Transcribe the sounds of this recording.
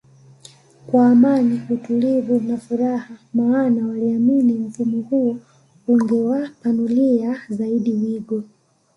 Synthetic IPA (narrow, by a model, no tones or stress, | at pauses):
kwaːmaniutulivunafuɾahamaːnawaliaminim̩fumɔhuɔ | uŋɡɛwapanuliazaiɗiwiɡɔ